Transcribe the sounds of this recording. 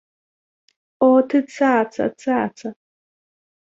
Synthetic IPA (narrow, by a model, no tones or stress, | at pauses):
ʔɔːtʰɨt͡sʰaːt͡sʰɐ̰t͡sʰaːt͡sʰɐ